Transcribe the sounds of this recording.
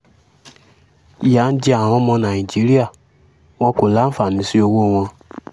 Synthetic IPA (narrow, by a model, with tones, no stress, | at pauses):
i˨ja˨˦n̩˦d͡ʒi˦a˨w̃ɔ̃˧mɔ̃˧nã˨i˨d͡ʒi˨˦ɾi˦a˦˨ | wɔ̃˧ko˨la˨˦fa˨nĩ˨˦si˦o˧wo˦˨w̃ɔ̃˧